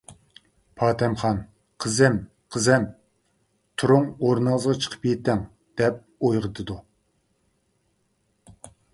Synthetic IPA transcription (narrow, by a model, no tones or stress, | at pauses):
pʰɑːt̪ʰɛmχɑn | qʰəzɛm | qʰəzɛm | t̪ʰuɾuŋoɾnɑləzʁɑt͡ʃʰə̥qʰə̥p̚kʲɛt̪ːɛŋ | d̪̥ɛp̚ojʁət̪ʰɨd̪u